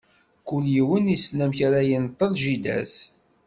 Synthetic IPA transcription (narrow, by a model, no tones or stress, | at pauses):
kʊljiwənisnæmçaɾajənt̪ˤːəlʒid̪æ̰s